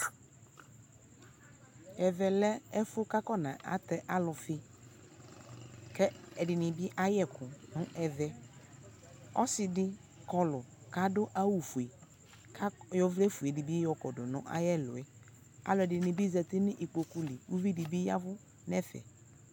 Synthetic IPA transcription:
ɛ˨vɛ˨lɛ˦ɛ˦fʊ˦ka˦kɔ˦nã̰˨ʔa̰˨t̪ɛ˦ʔa˦lʊ˨fɪ˦ | kɛ˦ɛ˨dɪ˨nɪ̃˨bɪ˦ʔa˦jɛ˦kʰʊ˨nʊ̃˦ʔɛ˨vɛ˨ | ɔ̰˦sɪ˨dɪ˦ | kɔ˦lʊ˨ka˦dʊ˦ʔa˦wu˨fu˨i˨ | kʰa˦jɔ˦vlɛ˦fu˨e˨dɪ˨bi˦jɔ˨kɔ˨dʊ˨nɔ̰̃˦ʔa̰˦jɛ˦lʊ̰˨ɛ˦ | a̰˦lʊ˨ɛ˨dɪ˨nɪ̃˨bi˦zɛ˨t̪ɪ˦nɪ̃˦ʔi˨k͡po˨ku˦li˨wu˦vi˦dɪ˨bi˦ja˦vʊ˦ | nɛ˦fɛ̰˨

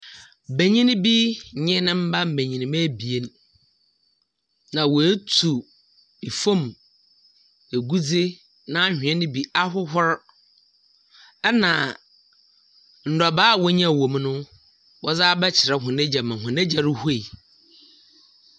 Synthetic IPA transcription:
be˨ɲĩ˦ñ˦bi˦˨ɲɪ̃˦nɪ̃˦m̩˦ba˦m̩˨be˨ɲĩ˨nɪ̃˨mɛ̃˦bi˨e˦n | nã˨wɔ˨e˦tʰu˨ | i˨fõ˦m | e˨ɡu˦d͡ze˦ | nã˦hᶣɪ̃˨ɛ̃˦nɪ̃˦bi˦a˦hʊ˦ɦʊ˦ɾ | ɛ˦nã˨ | n̩˨dɔ˨baː˦˨wɔ˦ɲ˦ã˦˨wõ˨m˦nʊ̃˦ | wɔ˦d͡zaː˦bɛ˦t͡ɕʰɪ˨ɾɛ˨ɦʊ̃˨nɛ̃˦d͡ʑa˨mã˨ɦʊ̃˨nɛ̃˦d͡ʑa˨ɾʊ˦hu˦e˦˨

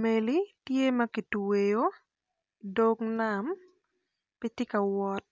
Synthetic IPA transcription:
me˨li˦tje˦mɐ˦ki˨twe˨jo˦ | do˦kna˨m | pi˦tɪ˦kɐ˨wɔ˦t̚

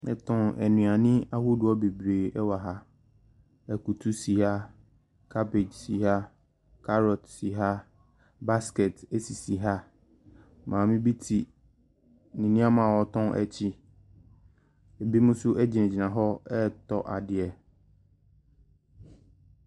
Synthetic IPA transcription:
nɛ̰̃˨tʰɔ̃˨nɛ̰˨nũ˨a˨nɪ̃˦a˦hu˦dʊ˨ɔ˦be˨bɾeː˨ɛ˦wa˨ɦa˦ | ɛ˨ku˨tʰu˦si˨ha˦ | kʰa˦pe˨d͡ʑsi˨ɦa˦ | kʰa˦ɾɔ˨tsi˨ɦa˦ | ba˦skɛ˨tɛ˦si˨si˨ɦa˦ | mʔãː˨mɪ̃˦bi˦tʰi˨ | nĩ˨nĩ˦a˦mã˨wɔ˨tʰɔ̃˦nʔɛ̰˨t͡ɕʰi˦ | e˨bi˦mũ˦sʊ˦ʔɛ˦d͡ʑi˨nɛ̃˨d͡ʑi˨nã˨ɦɔ˦ɛ˦tɔ˦˨ʔa˨dɪ˨ɛ˨

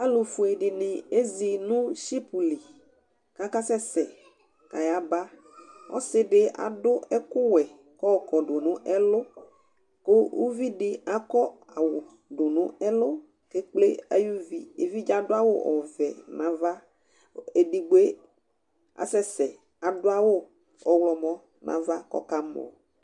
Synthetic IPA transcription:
a˦lo˨fu˨e˨ɖi˨nɪ̃˨e˦zi˨nũ˦ʃi˦pu˨li˨ | ka˦ka˦sɛ˦sɛ˨ | ka˨ja˨ba˦ | wʔɔ̰˦sɪ˦ɖɪ˦a̰˨ɖʊ˦ɛ˦kʊ˦wɛ˨ | kɔ˦˨kɔ˨ɖo˨nũ˦ɛ˦lo˦ | ko˦wṵ˦vi˦ɖɪ˦a˨˦kɔ˦ | a˨wo˨ | ɖo˨nũ˦ɛ˦lʊ˦ | ke˦k͡ple˦a̰˨˦ju˦vi˦e˨vi˦d͡ʒa˦ɖʊ˦a˦wo̰˦ʔɔ̰˨vɛ˨nã˨˦va˦ | e˨ɖi˨ɡ͡be˦ | a̰˨sɛ˦sɛ˨ | a˨ɖʊ˦a˦wo˦ | ɔ˨wlɔ˨mɔ̃˦ | nʔã̰˦va˦kɔ̰˦ka˦mlo̰˨

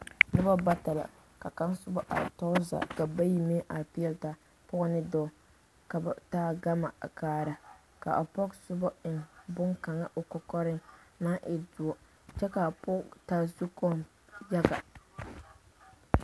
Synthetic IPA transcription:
nʊ˦ba˦ba˦ta˨la̰˨ | ka˨ka˦nsʊ˦bɔ˦ʔa̰˨tɔ˦za̰˨ka˨ba˦ji˦me˦ʔa˨ɾpi˦ɛ˦lta˨ | pʊ˦nɪ˦dɔː˦ | ka˨ba˨taː˦ɡa˦ma̰˨kaː˦ɾa˨ | ka̰˨ʔa˨pɔ˦ksʊ˦bɔ˦ɪ˨nbʊ˦ŋka˨ŋa˦ʔo˨kɔ˨kɔ˦ɾɪ˦na˦ʔɪ˨dʊ˨ɔ˨ | t͡ʃɛ˦ka˨pʊ˦ta˨zu˦kɔ˦m | ja˦ɡa̰˨

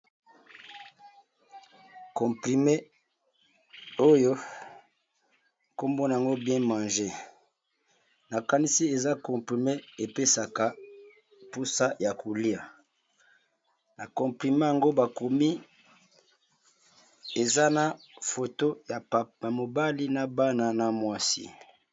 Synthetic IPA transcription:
kɔ̃˨pi˨me˦ | o˦jo˦ | ko˦mbo˦na˨a˨ŋɡo˦bjɛ̃˦mã˨nʒe˦ | na˨ka˨ni˦si˦e˨za˦kɔ̃˨pʁi˨me˦e˨pe˦sa˨ka˨ | pu˦sa˦ja˨ku˨li˦a˨ | na˨kɔ̃˨pʁi˨mã˦ja˨ŋɡo˦ba˨ko˨mi˦ | e˨za˦na˨ | fo˨to˦ja˨a˨mo˨ba˦li˦na˨ba˦na˨na˨mwa˦sḭ˦

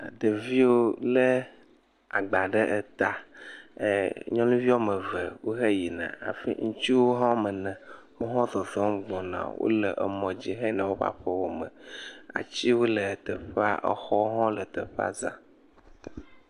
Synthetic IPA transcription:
a˨d̪e˨vi˦wo˦lə˦ | a˨ɡ͡ba˨ɖe˦ʔe˨t̪a˦˨ | ɲɔ̃˦nũ˦vi˦wo˦mə̃˨ve˨wo˦ɦe˦ji˨nã̰˨a̰˨fḭ˦ŋũ˦t͡ɕi˦wo˦ɦɔ̃˦mə̃˨nɛ̃˨ | me˦ɦɔ̃˦zɔ˨zɔ̃˦mɡ͡bɔ̃˨nã̰˨wo̰˦lə˨ʔə̰˨mɔ̃˨d͡ʑi˦ɦe˦nã˨wo˦ɸa̰˦ɸe˦wo˦mə̃˨a̰˨t͡ɕi˦wo˦lə˨t̪ə˨ɸa̰˦ʔə̰˨xɔ˦ɦɔ̃˦lə˨t̪ə˨ɸa̰˦zã̰˦

